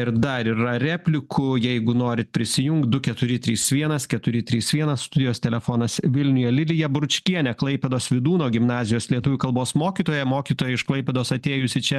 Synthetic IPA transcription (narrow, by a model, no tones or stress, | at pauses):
ɪɾd̪ɐɾiɾɐɾʲæːpʲlʲɪkʰʊjɛɪɡʊnoːɾʲɪt̪̚pʲɾʲɪsʲɪjʊŋkt̪̚d̪ʊkʲɛt̪ʊɾʲɪt̪ʲɾʲiːsʋʲiɛnɐskʲɛt̪ʊɾʲɪt̪ʲɾʲiːsʋʲiɛnɐsst̪ʊd̪ʲɪjoːst̪ʲɛlʲɛfoːnɐsʋʲɪlʲnʲʊjɛlʲɪlʲɪjɛbɾʊt͡ʃʲkʲiɛnʲɛklˠɐɪpʲɛd̪oːsʋʲɪd̪uːnoːɡʲɪmnɑːzʲɪjoːslʲiɛt̪uʋʲʊkɐlˠboːsmoːkʲiːt̪oːjɛmoːkʲiːt̪oːjɛɪʃklˠɐɪpʲɛd̪oːsɐt̪ʲeːjʊsʲɪt͡ʃʲɛ